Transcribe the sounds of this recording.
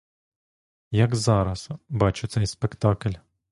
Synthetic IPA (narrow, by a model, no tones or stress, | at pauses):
jɐɡzɑɾɐsbɑt͡ʃɪt̪sɛjspekt̪ɑklʲ